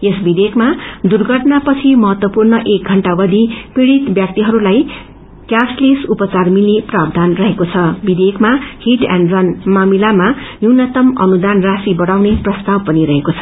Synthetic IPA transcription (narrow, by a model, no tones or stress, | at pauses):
esbid̪ekmad̪urɡʱʌʈnapʌt͡sʰimʌɦʌt̪wʌpurnʌʔek̚ɡʱʌɳʈabʌd̪ʱipiɽit̪bjak̚t̪iɦʌɾulaj | kjaslisupʌt͡sarmilneprab̚d̪ʱanrʌɦekot͡sʰʌbid̪ekʰmahiʈa̰nɖrʌnmamilamajunʌt̪ʌmʌ̰nud̪anrasibʌɽawneprʌst̪abpʌniɾʌɦekot͡sʰʌ̥